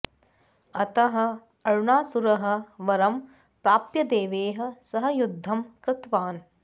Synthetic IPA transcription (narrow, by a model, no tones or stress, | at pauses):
ɐt̪ɐɦɐ̆ | ɐɻɳaːsuɾɐɦɐ̆ʋɐɾɐm | pɾaːpjɐd̪eːʋeːɦɐ̆sɐɦɐjud̪ʱːɐmkɾɪt̪ʋaːn